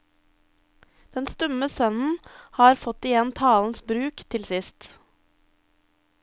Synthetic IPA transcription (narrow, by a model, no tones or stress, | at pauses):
d̪̥ɛnst̪ɔməsœnn̩hɑːɾfɔt̪ɪjɛnt̪ʰɑːln̩sbɾʉːkt̪ʰɪlsɪst̪